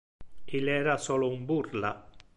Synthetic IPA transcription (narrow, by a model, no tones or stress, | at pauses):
ilɛːɾasoːloumburla̰